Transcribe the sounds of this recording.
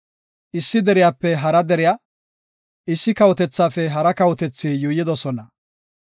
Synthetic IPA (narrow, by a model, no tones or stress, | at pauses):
ʔɪsːɪd̪ɛɾɪjaːpːɛɦɐɾɐd̪ɛɾɪjaː | ʔɪsːɪkɐwɔt̪ɛt͡sːaːfɛɦɐɾɐkɐwɔt̪ɛt͡sːiːjʊːjːɪd̪ɔsɔnɐ